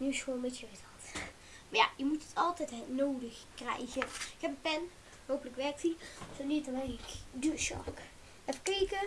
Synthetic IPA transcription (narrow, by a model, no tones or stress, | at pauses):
nysomɛtjərɪzɑlˠt | maja̰jəmutətɑlˠtɛjtɛnoːdəxkrɛ̰jɣəɪkɦɛpəpɛn | ɦowpələkʋɛrk̚tisonitnɛjɪkduʃɑ̰k | ɛfəkiːkə